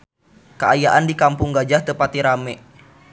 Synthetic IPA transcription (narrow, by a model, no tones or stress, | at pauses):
kaajaʔandikampʊŋɡad͡ʒaht̪əpat̪iɾamɛʔ